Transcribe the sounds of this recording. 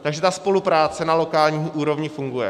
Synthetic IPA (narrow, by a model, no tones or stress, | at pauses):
t̪aɡʒɛt̪aspo̞lupɾaːt͡sɛnalo̞kaːlɲiːʔuːɾo̞vɲɪfuŋɡujɛ̰